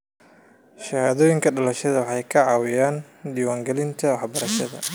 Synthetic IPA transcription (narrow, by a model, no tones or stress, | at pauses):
ʃɐhaːðɔːjɪŋkʰɐɖɐlɐʃɐðɐwɑħɑjkʰɐʕɑːwɪjaːn | d̪iːwaːŋɡɛlɪnt̪ʰɐwɑħbɐɾɐʃɐðɐ̰